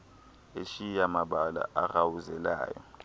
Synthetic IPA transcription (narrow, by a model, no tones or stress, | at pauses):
eʃijamaɓala̰ʔaɣawuzɛla̰ːjɔ̰